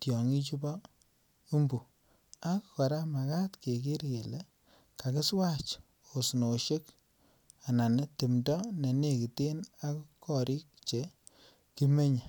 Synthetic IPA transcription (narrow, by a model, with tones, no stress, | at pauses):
tjɔ˨ŋi˦t͡ʃu˦bɔ˦ | u˦mbu˨ | a˦kkɔ˨ɾa˦ma˨ka˦tke˨ki˦ɾke˨le˦ | ka˨kɪ˦swa˦t͡ʃ | o˨sno˨ʃe˦k | a˨na˨ne˦ti˨mdɔ˦ne˨ne˦˨ki˨te˦na˦kkɔ˨ɾʔi˦k̚t͡ʃe˨ | ki˦me˦ɲe˨